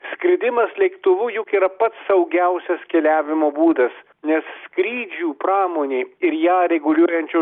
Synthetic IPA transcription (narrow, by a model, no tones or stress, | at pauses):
sʲkɾʲɪd̪ʲɪmɐslʲɛɪkt̪ʊʋʊjʊkiːɾɐpɐt̪sɐʊɡʲɛʊsʲɛskʲɛlʲæːʋʲɪmoːbuːd̪ɐs | nʲɛsskɾʲiːd͡ʒʲuːpɾɑːmoːnʲeːɪɾjæːɾʲɛɡʊlʲuɔjɛnʲt͡ʃʲuː